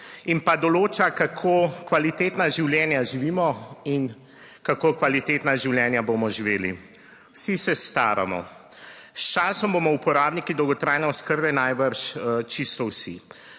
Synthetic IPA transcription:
inpad̪ɔloːt͡ʃakakʰokʋalit̪eːt̪naʒiwljɛːnjaʒiʋiːmɔin | kakoːkʋalit̪eːt̪naʒiwljɛnjaboːmɔʒiʋeːli | wsisɛst̪a̰ːɾa̰mɔ̰ | st͡ʃaːsɔmboːmɔupɔɾaːbnikid̪ɔwɡɔt̪ɾaːjnɛɔskəɾbɛnajbəɾʃt͡ʃist̪ɔwsḭ

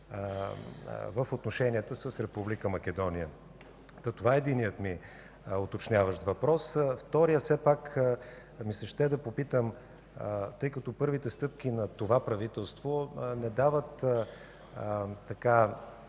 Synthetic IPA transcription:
vəfot̪noʃɛnʲiət̪əsəsɾɛpublikəmɐkʲɛd̪ɔnijə | t̪ɐt̪ovaɛd̪inijət̪mi | ot̪ot͡ʃnʲjavəʃt̪vɐpɾɔsft̪ɔɾijəfsɛpak | misɐʃt̪ɛd̪ɐpopit̪əm | t̪ɤjkɐt̪ɔpɤɾvit̪ɛst̪ɤp̚k̟inɐt̪ovapɾɐvit̪ɛlˠst̪vonɛd̪avət̪ | t̪ːɐka

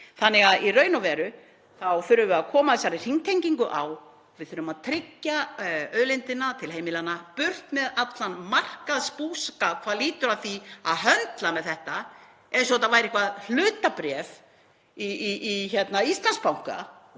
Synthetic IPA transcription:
θanːɪɣaðirœːɥnavɛːɾʏ | θawθʏɾʏvʏaðkʰɔːmaθɛsːaɾɪr̥iŋt̪ʰejɲciŋkʏʔa̰w | vɪðθʏɾʏmaðt̪ʰɾɪcːaœːðlɪnt̪ɪnːat̪ʰɪlɦeːjmɪlanapʏr̥t̪mɛðat̪lanmar̥kaðspuːskakʰvaðliːt̪ʏɾaðθia̰ðɦœnt̪lamɛðθɛht̪a | ɛɾs̬ɔt̪avaːjɾɪhkvaðl̥ʏːt̪apɾɛv | içɛt̪naist̪lanspawŋ̥ka̰

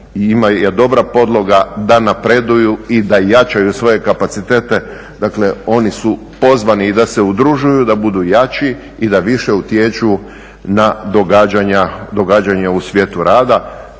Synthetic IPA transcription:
imajed̪o̞bɾapo̞d̪lˠo̞ɡad̪anapɾe̞d̪ujuid̪ajat͡ʃajusʋo̞je̞kapat̪sit̪e̞ːt̪e̞ | d̪aːkle̞o̞nisu | po̞zʋaniːd̪ase̞ud̪ɾuʒujud̪abud̪ujat͡ʃi | id̪aʋiʃe̞ut̪je̞t͡ʃuu | nad̪oɡad͡ʑaɲad̪o̞ɡad͡ʒaɲeusʋʲje̞t̪uɾaːd̪a

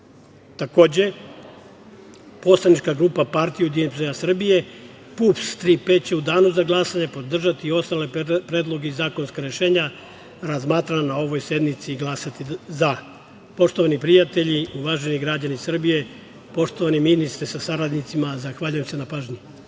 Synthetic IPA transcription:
t̪ako̞ːd͡ʑe̞ | po̞slˠanit͡ʃkaɡɾuːpapaɾt̪ijud̪ienpzeɲasr̩bije̞ | pupst̪ɾipeːt͡ɕe̞ud̪aːnuzaɡlˠasaɲepo̞d̪r̩ʒat̪iːo̞st̪ale̞pɾe̞ːd̪lˠo̞ɡeizaːko̞nskaɾeʃe̞ːɲa | ɾazmaːt̪ɾananao̞ʋo̞jse̞d̪nit̪siɡlˠasat̪iza | po̞ʃt̪o̞ʋanipɾijat̪e̞ʎiuʋaʒeniɡɾad͡ʑanisr̩bije̞ | po̞ʃt̪o̞ʋaniminist̪ɾesasaɾad̪nit̪simazaxʋaːʎujemse̞napaːʒɲi

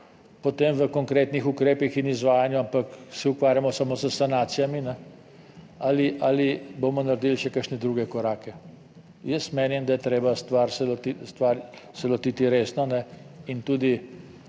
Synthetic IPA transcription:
pot̪emʋəkɔŋkɾeːt̪nixukɾeːpixinizʋaːjanjuampaksɛukʋaːɾjamɔsamosəsanaːt̪sijaminɛ | aliʔalibomɔnaɾd̪ilʃɛkəɾʃnɛd̪ɾuːɡɛkɔɾaːkɛ | jəsmeːnimd̪ajɛt̪ɾeːbast̪ʋaɾsɛlɔt̪ist̪ʋaɾsɛlɔt̪iːt̪iɾeːsnɔnɛint̪uːd̪i

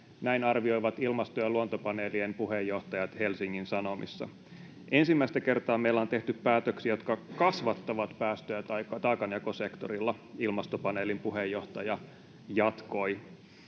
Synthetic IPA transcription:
næinɑrʋio̞jʋɑt̪ilmɑst̪ojɑluont̪opɑneːliempuɦejːo̞ht̪ɑjɑt̪he̞lsiŋːinsɑno̞mḭsːɑ̰ | ʔensimːæist̪æke̞rt̪ɑːmeilːæont̪e̞ht̪yppæːt̪øksijo̞t̪kɑkɑsʋɑt̪ːɑʋɑt̪pæːst̪øjæt̪ɑjkːɑt̪ɑːkɑnjɑkosekt̪oɾilːɑilmɑst̪o̞pɑneːlimpuɦejo̞ht̪ɑjɑ | jɑt̪ko̞i

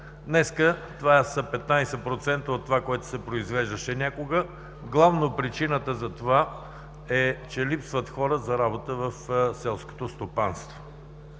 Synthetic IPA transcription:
d̪nɛskət̪ovaɛsəpɛt̪najsɛpɾot̪sɛnt̪əot̪ːvakoɛt̪ʊ̥sɛpɾoizvɛʒd̪əʃɛnʲakoɡə | ɡlˠavnopɾit͡ʃinət̪əzɐt̪ova | ɛt͡ʃɛlipsvət̪xɔɾəzɐɾabot̪əvəfsɛlˠsko̥t̪ost̪opanst̪vo

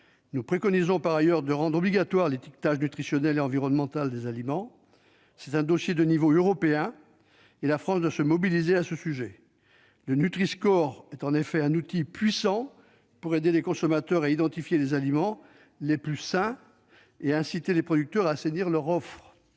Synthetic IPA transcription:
nupχekɔnizɔ̃paʁajœʁd̪əʁɑ̃d̪ʁɔbliɡat̪waʁlet̪ik̚t̪aʒnyt̪χisjɔnɛleɑ̃viʁɔnmɑ̃t̪ald̪ezalimɑ̃ | sɛt̪ɛ̃d̪osjed̪ənivoøʁɔpeɛ̃ | elafχɑ̃sd̪wasəmɔbilizeasəsyʒɛ | lənyt̪χiskɔʁɛt̪ɑ̃nefɛɛ̃nut̪ipɥisɑ̃ | puʁed̪elekɔ̃sɔmat̪œʁaid̪ɑ̃t̪ifjelezalimɑ̃ | leplysɛ̃ | eɛ̃sit̪elepχɔd̪yk̚t̪œʁaseniʁlœʁɔfχ

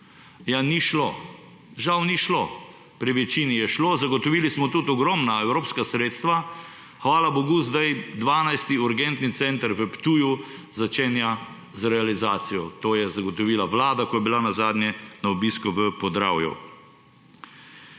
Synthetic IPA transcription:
janiʃlo | ʒawniʃlo | pɾiʋɛt͡ʃiːnijɛʃloːzaɡɔt̪ɔʋiːlismɔt̪ut̪ɔɡɾɔmnaɛwɾoːpskasɾeːt̪st̪ʋa | xʋaːlaboɡuzd̪ajd̪ʋaːnajst̪iuɾɡɛnt̪nit̪sɛnt̪əɾʋəpt̪uːjuzat͡ʃeːnja | zɾɛalizaːt̪sijɔt̪oːjɛzaɡɔt̪ɔʋiːlaʋlaːd̪akɔjɛbilanazaːd̪nʲjɛnaɔbiskuʋəpɔzd̪ɾa̰ːwjṵ

